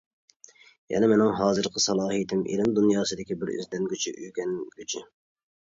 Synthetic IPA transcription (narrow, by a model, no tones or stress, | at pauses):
jɛ̰nɪmɪnɪŋɦɑːzɨɾqʰəsɑlˠɑːɦijt̪ʰɪmʔḭlɪmd̪unjɑːsɨd̪ɪkʲibɪɾy̰zd̪ɛnɡʲyt͡ʃʰḭʔyjɡʲɛnɡʲyt͡ʃʰi